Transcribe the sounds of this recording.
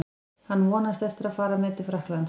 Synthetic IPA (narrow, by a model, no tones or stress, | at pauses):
hanːvɔːnast̪ɛft̪ɪɾaðfaːɾamɪːt̪ɪ̥fɾahklan